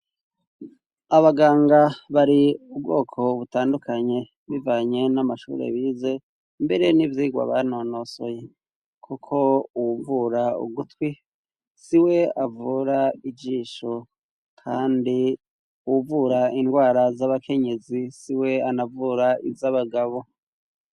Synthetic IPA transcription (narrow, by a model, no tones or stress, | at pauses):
aβaɡaːŋɡaβaɾiub̚ɡo̞̰ːkʰo̞βutaːndukʰaɲe̞ | βivaːɲe̞namaʃṵːɾḛβiːze̞ | mbe̞ɾe̞nivjiːɡwa̰βa̰no̞no̞so̰je̞ | kʰukʰo̞uwuvuɾaṵɡutwi | siwe̞avuːɾaid͡ʒiːʃo | kʰaːndi | uwuvuɾaindɡwaːɾazaβakʰe̞ɲe̞zisiwe̞anavuːɾaizaβaɡaβo̞